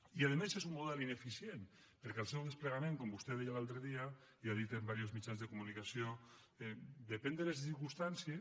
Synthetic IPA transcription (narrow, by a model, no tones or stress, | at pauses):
iað̞emesezumːuðɛlinefisjenpeɾkɛalˠsɛwðespleɣamẽŋkombust̪eðejalalˠt̪ɾəðia | iaðit̪embaɾiozmit͡ʃanzðekumunikasio | ɛd̪epɛnd̪elezsiɾkust̪ansie